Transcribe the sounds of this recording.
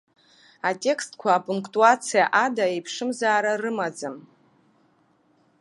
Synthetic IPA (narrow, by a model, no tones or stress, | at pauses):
atʼe̞kstkʷʰaːpʼuŋkʼtʼuat͡sʰijaʔadaejpʰʂɨmzaːɾarɨmad͡zɨm